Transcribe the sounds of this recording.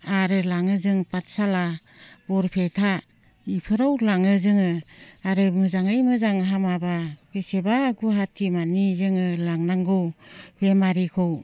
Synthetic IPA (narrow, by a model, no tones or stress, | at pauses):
aɾɯlaŋɯzɯŋpatsala | bɔɾpʰetʰa | ipʰɯɾawlaŋɯzɯŋɯaɾɯmɯzaŋɯjmɯzaŋɦamababesebaɡuɦatʰimanizɯŋɯlaŋnaŋɡɯwb̥emaɾikʰɔw